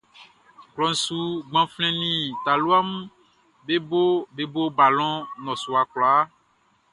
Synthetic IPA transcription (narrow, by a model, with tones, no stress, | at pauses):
klɔ˨n̩˨su˦ɡ͡bã˨flɛ̃˦nĩ˨t̪a˨lu˦a˦m˦ | be˦bo˦be˦bo˦ba˨lɔ̃˦nɔ̃˨su˨a˨klɔ˨a˦